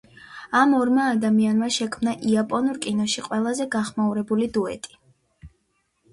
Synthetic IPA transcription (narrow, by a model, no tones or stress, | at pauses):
amɔɾmaːd̪amianmaʃɛkʰmnaʔiapʼɔnuɾkʼinɔʃiqʼwɛlˠazɛɡaχmauɾɛbulid̪uɛ̰t̪ʼi̥